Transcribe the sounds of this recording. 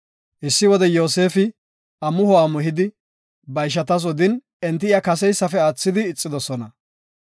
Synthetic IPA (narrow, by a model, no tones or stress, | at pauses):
ʔɪsːɪwɔd̪ɛjo̞ːse̞ːfɪ | ɐmʊhɔwaːmʊɦɪd̪ɪ | bɐjʃɐt̪ɐs̬ɔd̪ɪn | ɛnt̪ːɪɪjakɐsɛjsːɐfɛaːt͡sːɪd̪ɪːt͡sʼːɪd̪ɔsɔnɐ